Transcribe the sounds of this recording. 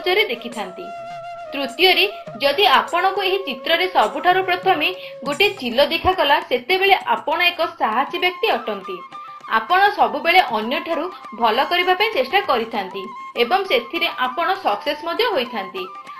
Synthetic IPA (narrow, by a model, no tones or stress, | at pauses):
d͡ʒɔɾed̪ekʰit̪ʰant̪i | t̪ɾut̪jɔɾe | d͡ʒɔd̪iapɔɽ̃ɔkueɦit͡ʃit̪ɾɔɾesɔbuʈʰaɾupɾɔt̪ʰɔme | ɡoʈit͡ʃilɔd̪ikʰakɔlaset̪ebeɭeʔapɔɽ̃ɔekɔsaɦasibjɔk̚t̪iɔʈɔnt̪i | a̰pɔɽ̃ɔsɔbubeɭeʔɔnjɔʈʰaɾu | bʱɔlɔkɔɾibapaĩt͡ʃesʈakɔɾit̪ʰant̪i | ebɔŋset̪ʰiɾeʔapɔɽ̃ɔsɔksesmɔd̪ʱjɔɦojt̪ʰant̪i